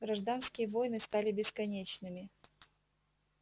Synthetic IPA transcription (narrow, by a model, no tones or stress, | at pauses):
ɡ̥ɾɐʐd̪anskʲɪjəvojnɨst̪alʲɪbʲɪskɐnʲet͡ɕnɨmʲɪ